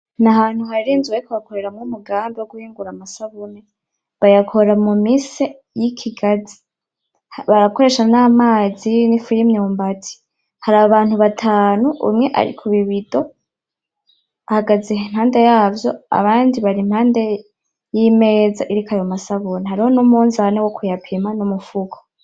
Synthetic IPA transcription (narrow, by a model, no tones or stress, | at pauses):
naɦaːn̥huɦaɾiɾiːnzuweikuβakoɾe̞ɾamŋumuɡaːmbewoɡuhiːŋɡuɾamasaβune | βajakʰoɾamumise | jikʰiɡazi̥ | hβaɾako̞ɾe̞ːʃanaːmaːzinifiɾimɲoːmbatʰi̥ | haɾaːβaβaːnhuβatʰaːnuʔṵmŋe̞ʔa̰ɾḭkʰuβiβido̞ | ahaɡazeɦen̥haːndejaːvjo̞a̰βaːndiβaɾin̥haːnde̞ | jime̞ːzaʔiɾikajomasaβuneɦaɾiho̞numuːnzanewokujapʰemanumufukʰo̥